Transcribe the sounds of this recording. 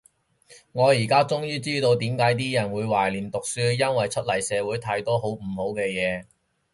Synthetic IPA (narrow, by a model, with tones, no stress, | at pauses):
ŋɔː˨˧jiː˨˩kaː˥t͡sʊ˥ŋjiː˥t͡siː˥t̪o˧wt̪iː˨˥mkaː˨˥jt̪̬iː˥jɐ˨˩nwuː˨˧jwaː˨˩jliː˨˩nt̪ʊ˨k̚syː˥jɐ˥nwɐ˨jt͡ʃʰɵ˥t̚lɐ˨˩jsɛː˨˧wuː˨˥jt̪ʰaː˧jt̪ɔː˥ɦo˨˥wm̩˨˩ho˨˥wkɛː˧jɛː˨˧